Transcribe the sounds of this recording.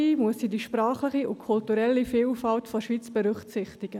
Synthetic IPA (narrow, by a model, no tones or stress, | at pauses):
iːmuəsiːdiʃpɾaːχlɪχiʊkʰʊltuɾɛlːifiːlfaltfoʃʋiːt͡sb̥əɾʏχsɪχtɪɡ̥ə